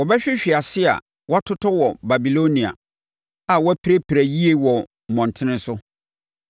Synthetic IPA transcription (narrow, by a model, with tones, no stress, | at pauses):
wɔ˨bɛ˦ɕᶣɪ˦ɕᶣi˨a˨sɪ˦a̰˨ | wɔ˦a˦tʰʊ˦tʰɔ˦wɔ˨ba˨bi˨lo˦nĩ˨a̰˨ | a˨wɔ˦æ˦pʰi˦ɾe˦pʰi˨ɾæ˨ji˦e˦wɔ˨ | mɔ̃˨n˨tʰɪ̃˦nɪ̃˦sʊ˦